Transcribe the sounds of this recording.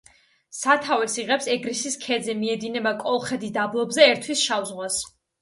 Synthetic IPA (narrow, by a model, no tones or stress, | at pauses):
sat̪ʰavɛsiʁɛpsɛɡɾisiskʰɛd̪zɛmiɛd̪inɛbakʼɔlˠχɛd̪id̪ablˠɔbzɛːɾt̪ʰwisʃavzʁwas